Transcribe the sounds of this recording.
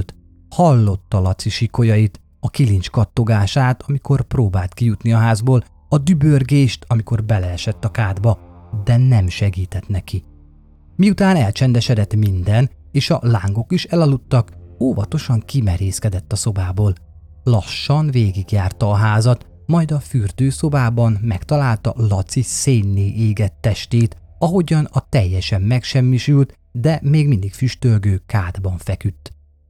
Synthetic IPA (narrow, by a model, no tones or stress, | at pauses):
lt̪ | hɒlːo̞t̪ːɒlɒt̪siʃiko̞jɒjit̪ | ɒkilint͡ʃkɒt̪ːo̞ɡaːʃaːt̪ɒmikʰo̞rproːbaːlt̪kijut̪niɒɦaːzboːl | ɒd̪ybørɡeːʃt̪ɒmiko̞rbɛlɛɛʃɛt̪ːɒkaːd̪bɒd̪ɛnɛmʃɛɡiːt̪ɛt̪nɛki | miut̪aːnɛlt͡ʃɛnd̪ɛʃɛd̪ɛt̪mind̪ɛn | eːʃɒ̰laːŋɡo̞kiʃɛlɒlut̪ːɒkoːvɒt̪o̞ʃɒŋkimɛɾeːskɛd̪ɛt̪ːɒso̞baːboːl | lɒʃːɒnveːɡiɡjaːrt̪ɒːɦaːzɒt̪ | mɒjd̪ɒfyrd̪øːso̞baːbɒnmɛkt̪ɒlaːlt̪ɒ̰lɒt̪siseːnːeːʔiːɡɛt̪ːɛʃt̪eːt̪ | ɒɦo̞ɟɒnɒt̪ɛjːɛʃɛmːɛkʃɛmːiʃylt̪ | d̪ɛmeːɡmind̪ikfyʃt̪ølɡøːkaːd̪bɒɱfɛkyt̪ː